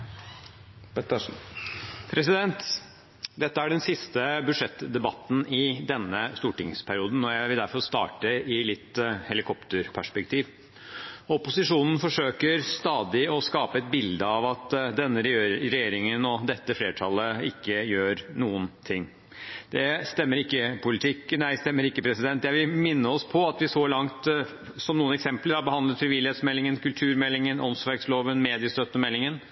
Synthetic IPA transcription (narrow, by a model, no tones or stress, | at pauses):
ɛt̪ | pʰɾɛsɪd̪ɛnt̪ | d̪ɛt̪ːəæɖɛnsɪst̪əbʉʂɛt̪ːd̪ɛbɑt̪ːn̩ɪd̪ɛnːəst̪uːʈɪŋspʰæɾɪuːd̪n̩ɔjæɪʋɪld̪æɾfɔɾst̪ɑ̰ːʈəɪlɪt̪ːhɛlɪkʰɔpt̪əɾpʰæʂpɛkt̪ʰiːʋ | ɔpʊsɪʂuːnən̩fɔʂøːkəɾst̪ɑːd̪ɪɔskɑːpəɛt̪̚bɪld̪əɑʋɑt̪d̪ɛnːəɾɾɛjeːɾɪŋənɔd̪ɛt̪ːəfleːʈʰɑlːəɪkːəjøːɾnuːənt̪ʰɪŋː | d̪̥ɛst̪ɛmːəɾɪkːəpʰʊlɪt̪ʰɪkːnæɪst̪ɛmːəɾɪkːəpʰɾɛsɪd̪ɛnt̪jæɪʋɪlmɪnːəɔspʰɔɑt̪ʋɪsɔlɑŋt̪ | sɔmnuːənɛksɛmpləɾɑbəhɑnd̪lət̪fɾɪʋɪlɪheːt̪smɛlːɪŋənkʰʉlt̪ʰʉːɾmɛlːɪŋənʔɔnsʋɛɾɡsloːʋənmeːd̪ɪəst̪œt̪ːəmɛlːɪŋən